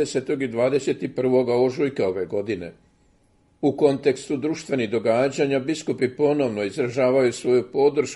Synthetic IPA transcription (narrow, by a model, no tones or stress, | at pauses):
ese̞t̪o̞ɡid̪ʋaːd̪e̞se̞t̪ipr̩ʋo̞ɡaoʒujkeo̞ʋe̞ɡo̞d̪ine̞̰ | uko̞nt̪e̞kst̪ud̪ɾuʃt̪ʋe̞niɣd̪o̞ɡaːd͡ʑaɲabiskupipo̞no̞ʋno̞izɾaʒaːʋajusʋo̞jupo̞d̪r̩ʃ